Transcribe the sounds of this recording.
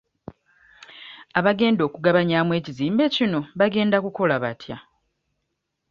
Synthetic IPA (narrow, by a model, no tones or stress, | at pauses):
aβaɡe̞ːndo̞ːkuɡaβaɲaːmwe̞ːciziːmbe̞cino̞βaɡe̞ːndakuko̞laβatʰja